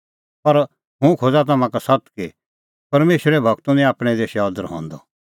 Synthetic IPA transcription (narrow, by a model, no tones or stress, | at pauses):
pɐɾ | ɦũkʰod͡zat̪̬amãkasɐt̪ki | pɐɾmeːʃɾɛbʱɐɡt̪unĩaːpɽ̃ɛd̪eːʃɔːd̪əɾɦɔ̰̃ːnd̪ɔ